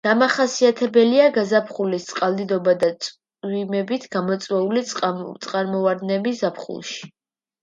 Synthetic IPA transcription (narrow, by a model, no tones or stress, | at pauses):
d̪̥amaχasiat̪ʰɛbɛliaɡazapʰχulist̪sʼqʼalˠd̪id̪ɔbad̪at̪sʼ | wimɛbit̪ʰɡ̥amɔt̪sʼwɛulit̪sʼqʼaɾmɔvaɾd̪nɛbiszapʰχṵlˠʃi̥